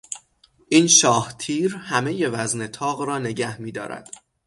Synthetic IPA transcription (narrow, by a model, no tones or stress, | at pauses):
ʔiːnʃɒːht̪ʰiːɾhæme̞je̞væznet̪ʰɒːɣɾɒːne̞ɟæhmiːd̪ɒ̰ːɾæ̰d̪̥